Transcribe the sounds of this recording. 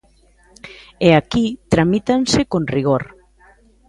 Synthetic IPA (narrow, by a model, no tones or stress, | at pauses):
eakit̪ɾamit̪ansekõnriɣoɾ